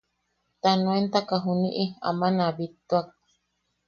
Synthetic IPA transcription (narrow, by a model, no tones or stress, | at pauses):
t̪anũent̪akaɦuniʔia̰mãnãβit̪uak̚